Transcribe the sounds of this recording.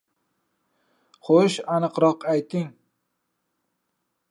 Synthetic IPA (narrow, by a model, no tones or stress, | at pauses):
χoʃanɨqɾɒqajt̪ʰɪŋ